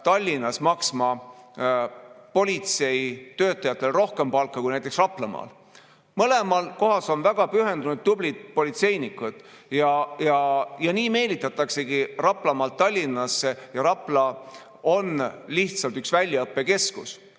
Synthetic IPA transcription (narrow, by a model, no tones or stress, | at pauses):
t̪ɑlʲːinɑsmɑksmɑ | po̞lʲit̪se̞jt̪ø̞ːt̪ːˑɑjɑt̪ːˑe̞lro̞hke̞mpɑlkːˑɑkujnæjt̪ːˑeksrɑplɑmɑ̰ːl | mɤle̞mɑlko̞ɦɑso̞nvæɡ̥ɑpyɦe̞nd̪unud̪̥̚ːublid̪̥̚po̞lit̪se̞jnikːˑud̪̥ | jɑjɑjɑniːme̞ːlit̪ːˑɑt̪ːˑɑkse̞ɡirɑpˑlɑmɑːlt̪ːɑlʲːinːˑɑsːejɑɾɑplɑ | o̞nliht̪sɑlt̪yksvælʲːjɑɤpːe̞ke̞skus